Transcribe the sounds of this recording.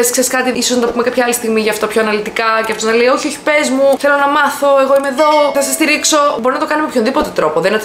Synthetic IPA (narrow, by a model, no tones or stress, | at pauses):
eskseiskɐt̪iisoznɐt̪ɐpume̞kɐpçɐɐlist̪iɣmiʝɐːft̪ɐpço̞ɐnɐlit̪ikɐceɐft̪oznɐleio̞çio̞çi̥pezmuθe̞lo̞nɐmɐθo̞e̞ɣo̞ime̞ðo̞θɐsɐst̪iɾikso̞bo̞ɾinɐt̪oɐnimepçonðipo̞t̪e̞t̪ɾo̞po̞ðenɐ